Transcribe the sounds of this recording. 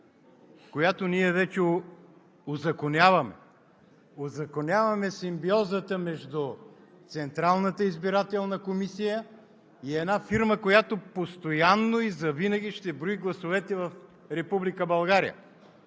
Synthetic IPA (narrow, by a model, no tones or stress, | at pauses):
kojat̪oniɛvɛt͡ʃɛo | ozɐkonʲjavɐmɛ̰ | ozɐkonʲavɐmɛsimbiɔzət̪əmɛʒd̪ʊt̪sɛnt̪ɾalˠnət̪əizbiɾat̪ɛlˠnɐkomisijə | iɛnafiɾməkojat̪opost̪ojanːoizɐvinɐɡ̟ʲiʃt̪ɛbɾoiɡlˠɐsovɛt̪ɛvɐf | ɾɛpublikəbɐlˠɡaɾḭjə̰